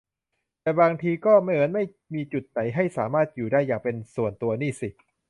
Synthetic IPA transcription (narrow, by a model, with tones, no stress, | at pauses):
t̪ɛː˨˩baː˧ŋt̪ʰiː˧kɔː˥˩ma˥˩jmɯ˩˦ənma˥˩j | miː˧t͡ɕu˨˩t̪̚na˩˦jɦa˥˩jsaː˩˦maː˥˩t̪̚juː˨˩daː˥˩jːaː˨˩ŋpe˧nsu˨˩ənt̪u˧ɐniː˥˩si˨˩